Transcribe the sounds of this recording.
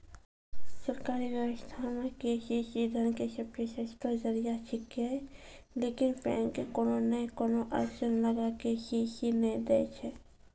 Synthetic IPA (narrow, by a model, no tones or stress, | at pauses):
səɾkaːɾiʋjəwəst̪ʰamẽkeːʃiʃiːd̪ʱənkeʃəpjeʃest̪əzəɾijaʃʰɪke | leːkɪnpɛ̰̃ːŋkekoːnonəkoːnoʔə̰ɾʃənləɡakeɦiʃinɛd̪ɛːt͡ʃʰɛː